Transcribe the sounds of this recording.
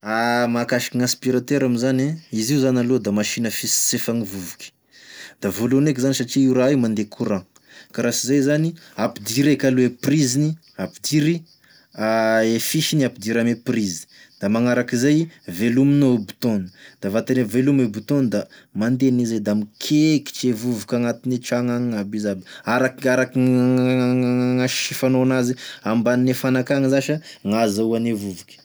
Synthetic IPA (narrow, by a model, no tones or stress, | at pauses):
amakaʃi̥kiŋãspiɾat̪eɾamizaneiziuzanalod̪amaʃinəfisi̥sefaŋivuvukʲi̥ | d̪̥avolonek̬izanisaʈ͡ʂiiɾaimand̪ekʰuɾã | kaɾasizajzaniapid̪iɾekalueprizini | apid̪iɾi | aefiʃiniapid̪iɾameprizi̥ | d̪̥amaŋaɾakizajveluminobu̥t̪onə̥d̪̥avat̪aɾevelumebut̪ond̪amand̪enized̪amikʰeki̥t͡ʃevuvukʲaŋat̪init͡ʃaŋaŋabizabaɾakaɾakiaaaŋaʃifanoanaziambaninefanakaŋizaʃaŋazauanevuvukʲə̥